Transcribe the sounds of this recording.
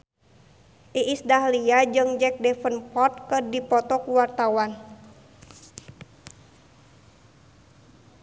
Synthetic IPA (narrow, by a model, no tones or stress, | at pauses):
ʔiʔisdahliad͡ʒɨŋd͡ʒɛk̚dɛfənpɔt̪̚kədipɔt̪ɔkuwart̪awan